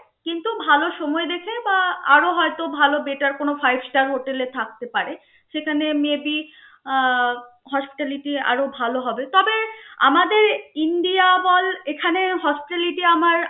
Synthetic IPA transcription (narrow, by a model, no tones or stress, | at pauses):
kint̪ubʱaloʃɔmɔed̪ekʰebaa̰ɾoɦɔet̪obʱalobeʈaɾkonofajbsʈaɾɦoʈelet̪ʰak̚t̪epaɾe | ʃekʰanemiebi | ɦɔspi̥ʈaliʈia̰ɾobʱaloɦɔbet̪ɔbea̰mad̪eɾinɖiabɔlekʰaneɦɔspiʈaliʈiamaɾ